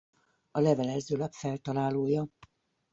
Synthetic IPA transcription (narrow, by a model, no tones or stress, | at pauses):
ɒlɛvɛlɛzøːlɛpfɛlt̪ɒlaːloːjɒ